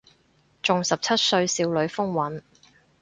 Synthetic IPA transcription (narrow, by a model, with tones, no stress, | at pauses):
t͡ʃʊ˨ŋsɐ˨p̚t͡sʰɐ˥t̚sɵ˧ɥsiː˧wlɵ˨˧ɥfʊ˥ŋwɐ˨˥n